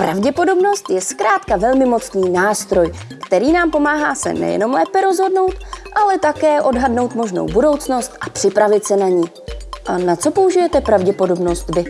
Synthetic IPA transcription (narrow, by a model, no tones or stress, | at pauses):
pɾa̰vɟɛpo̞do̞bno̞st̪jɛskɾaːt̪kavɛlmɪmo̞t͡sniːnaːst̪ɾo̞j | kt̪ɛɾiːnaːmpo̞maːɦaːsɛ̰nɛ̰jɛ̰no̞mlɛːpɛɾo̞zɦo̞dno̞wt̪ʔalɛt̪akɛːʔo̞dɦadno̞wt̪mo̞ʒno̰wbudo̞wt͡sno̞st̪ʔapr̥ɪpɾavɪt̪sɛnaɲi | ʔanat͡so̞po̞uʒɪjɛt̪ɛpɾavɟɛpo̞do̞bno̞st̪bɪ